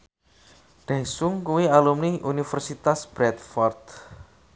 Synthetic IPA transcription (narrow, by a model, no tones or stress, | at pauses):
ɖ̥ɛsʊŋkuwialumniʔunifɛrsit̪asb̥ɾɛt̪fɔrt̪